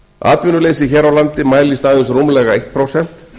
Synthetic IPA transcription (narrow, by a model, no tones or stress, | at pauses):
a̰ːt̪vʏnʏleːjs̬ɪçɛːɾawlant̪ɪmaːjlist̪aːðʏsrumlɛɣaejht̪̚pʰɾowsɛn̥t̪